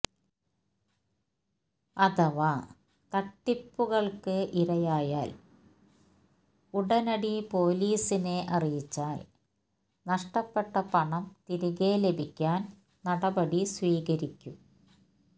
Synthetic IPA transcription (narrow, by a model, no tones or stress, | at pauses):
ɐðɐʋa | t̪ɐʈːipːuɣɐɭkɨʔiɾɐjaːjaːl | uɽɐnɐɽipo̞ːliːsine̞ʔɐrijit͡ɕːaːl | nɐʂʈɐpːe̞ʈːɐpɐɳɐmt̪iɾuɣe̞ːle̞bʱikʲːaːn | nɐɽɐbɐɽisʋiːɣɐɾikʲːum